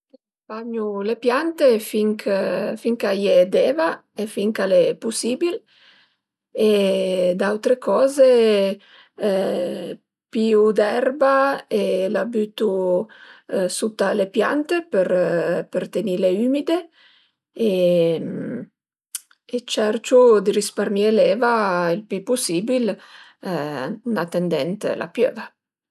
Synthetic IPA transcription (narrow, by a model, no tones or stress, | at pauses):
ek | paɲulepjant̪efiŋkʰfiŋkajed̪eːva | efiŋkalepusiːbil | ed̪awt̪ɾekɔːze | piːud̪ɛrbaelabyt̪u | sut̪ːalepja̰nt̪epeɾpert̪enileyːmid̪e | e | et͡ʃɛrt͡ʃud̪iɾisparmielɛːvailpypusibil | unat̪ːɛnd̪ɛnt̪lʔa̰pjø̰ːva